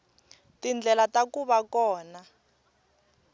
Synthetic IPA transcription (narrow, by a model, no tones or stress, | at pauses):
tind͡ɮʱɛlatakuɓakɔːna